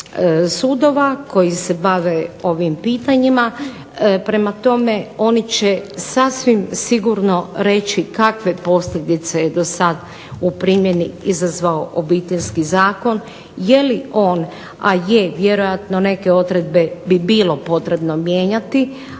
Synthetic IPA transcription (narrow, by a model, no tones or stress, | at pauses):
suːd̪o̞ʋako̞jise̞baʋeo̞ʋimpiːt̪aɲima | pɾe̞mat̪o̞me̞o̞nit͡ɕe̞sasʋimsiɡuɾno̞ɾe̞t͡ʃikakʋe̞po̞sʎʲed̪it̪sejed̪o̞sad̪ | upɾiːmje̞niizazʋaoʔobit̪eʎʲskizaːko̞n | je̞liʔo̞ːn | ajeʋje̞ɾo̞jat̪no̞ne̞ke̞o̞d̪ɾe̞d̪̚be̞bibilo̞po̞t̪ɾe̞bno̞mje̞ːɲat̪i